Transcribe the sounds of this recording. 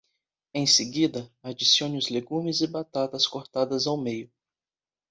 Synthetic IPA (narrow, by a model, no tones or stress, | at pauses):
ẽj̃seɡid̪ɐad͡ʒisiõnɪʊzleɡũmɪzɪbat̪at̪ɐskoɾt̪ad̪ɐzawmejʊ